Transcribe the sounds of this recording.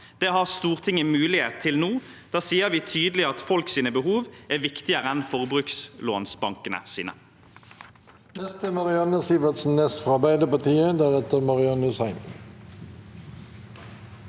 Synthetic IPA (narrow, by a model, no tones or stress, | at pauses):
d̪̥ɛːɦɑʁst̪uːʁt̪ʰɪŋːəmʉːlɪet̪ʰɪlnuː | d̪̥ɑːsiːəɾʋiːt̪ʰyːd̪əlɪɑt̪fɔlksiːnəbəɦuːʋæːʋɪkt̪ɪəʁəɛnfɔʁbʁʉːksloːnsbɑŋkənə̰sḭːnə̰ | nɛst̪əmɑʁɪɑnəsiːʋət̪sn̩nɛsfʁɑɑbæɪd̪əpɑt̪ʰiːəd̪æʁɛt̪əmɑʁɪɑnəsæɪn